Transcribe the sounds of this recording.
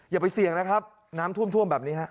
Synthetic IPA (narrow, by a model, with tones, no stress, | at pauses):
jaː˨˩pa˧jsi˨˩əŋna˦˥kʰa˦˥p̚ | naː˦˥mt̪ʰu˥˩əmt̪ʰu˥˩əmbɛː˨˩p̚ni˦˥ɦa˦˥ʔ